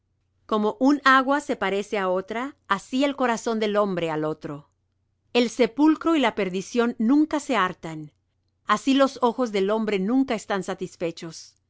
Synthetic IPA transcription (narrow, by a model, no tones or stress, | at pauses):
ko̞mo̞ʔunaɣwase̞paɾe̞se̞ao̞t̪ɾaːsie̞lko̞ɾaso̞nd̪e̞lo̞mbɾe̞alo̞t̪ɾo̞ | e̞lse̞pulkɾo̞ilape̞ɾðisjo̞nːũŋkase̞aɾt̪an | asilo̞so̞xo̞zðe̞lo̞mbɾe̞nũŋkaest̪ansat̪isfe̞t͡ʃo̞s